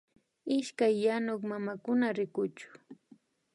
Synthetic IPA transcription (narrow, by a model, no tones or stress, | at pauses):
ɪʃkajːanʊkmamakʊnaɾɪkʊt͡ʃʊ̥